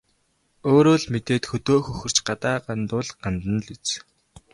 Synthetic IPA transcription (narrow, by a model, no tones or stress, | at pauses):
oːɾoːɮmet̪eːt̪xɵt̪oːxɵxɵ̆r̥t͡ɕɢat̪aːɢant̪ʊːɮɢ̥ant̪ə̆nɮit͡s